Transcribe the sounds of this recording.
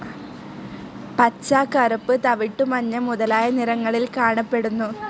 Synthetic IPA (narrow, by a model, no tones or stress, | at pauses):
pɐt͡ɕːaːkɐrupːɨt̪ɐʋiʈːumɐɲːɐmuðɐlaːjɐnirɐŋːɐɭilkaːɳɐpːe̞ɽunːu